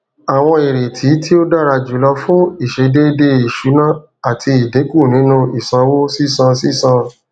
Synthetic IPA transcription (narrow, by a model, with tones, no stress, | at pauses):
a˨w̃ɔ̃˧i˨ɾe˨tʰi˨˦tʰi˦o˦da˦˨ɾa˧d͡ʒu˨˦lɔ˧fũ˦i˦˨ʃe˨˦de˦de˧i˨ʃu˨˦nã˦˨ | a˨tʰi˧i˨de˨˦ku˦˨nĩ˨˦nũ˦˧i˨sã˧wo˦si˦˨sã˧si˦˨sã˧